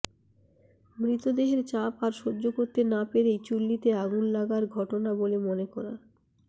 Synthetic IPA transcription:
mɾit̪od̪eɦeɾt͡ɕapaɾʃod͡ʑokoɾt̪enapeɾejt͡ɕulːit̪eaɡullaɡaɾɡʱɔʈonabolemonekɔɾa

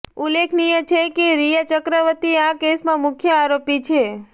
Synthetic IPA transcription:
ulːekʰnijət͡ʃʰekeɾijat͡ʃəkɾəʋət̪iãkesmãmʊkʰjəaɾopit͡ʃʰe

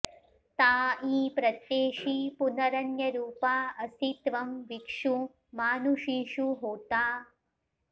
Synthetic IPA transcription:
t̪aːĩːpɾɐt̪jeːʃipunɐɾɐnjɐɾuːpaːɐsit̪ʋɐmʋikʂu | maːnuʃiːʂuɦoːt̪aː

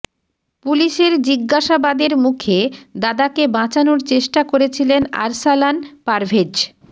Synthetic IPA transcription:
puliʃeɾd͡ʑiɡːaʃabad̪eɾmukʰed̪ad̪akebãt͡ɕanoɾt͡ɕeʃʈakoɾet͡ɕʰilena̰ɾsalanpaɾbʱed͡ʑ

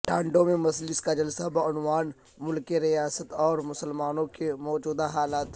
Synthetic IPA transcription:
ʈʰãːɳɖõmẽmɐslɪskad͡ʒɐlsabaʊnʋaːn | mʊlkeɾɪjaːsət̪ɔːɾmʊsəlmaːnõkemɔːd͡ʒuːd̪aɦaːlaːt̪

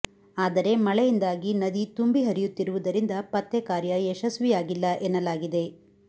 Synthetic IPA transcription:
aːd̪ɐɾe̞mɐɭɛjind̪aːɡinɐd̪it̪umbiɦɐɾijut̪ːiɾuʋud̪ɐɾind̪ɐpɐt̪ːekaːɾjɐeʃɐsʋijaːɡilːɐʔenːɐlaːɡid̪e̞

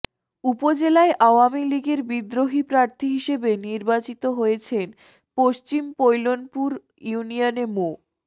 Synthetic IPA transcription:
upod͡ʑelaeʔaoamiliɡeɾbid̪ɾoɦipɾaɾt̪ʰiɦiʃebeniɾbat͡ɕit̪oɦojet͡ɕʰen | poʃt͡ɕimpojlonpuɾ | junijanemo

